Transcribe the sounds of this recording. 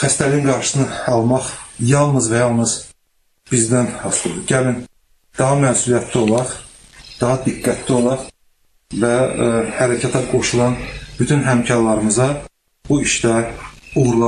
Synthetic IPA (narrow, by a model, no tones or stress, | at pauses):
χæst̪ælinɡɑɾʃɯ̥sɯnɯɑlˠmɑχjɑlˠnɯzvæjɑlˠnɯz̥ | b̥izd̪ænhɑslˠɯd̪ɯɟælin | d̪̥ɑɦɑmæːsulˠijæt̪ʰlio̞lˠɑɾ | d̪̥ɑɦɑd̪iɡːæt̪ʰlio̞lˠɑɾ | væhæɾæcʰæt̪ʰɑɡo̞ʃulˠɑnb̥yt̪ʰynɦæmcʰɑɾlˠɑɾɯmɯzɑ | buiʃd̪æuɣɾlˠɑ